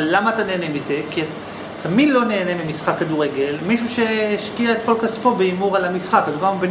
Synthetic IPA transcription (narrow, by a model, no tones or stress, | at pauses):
amaːt̪ane̞ːnemize̞kia | t̪ʰamid̪lo̞ne̞ːnemimisχakːaduʁe̞ɡe̞lmiʃuʃe̞ːʃkiaet̪̚ko̞lkaspo̞beimuʁalamisχakːad̪uvamben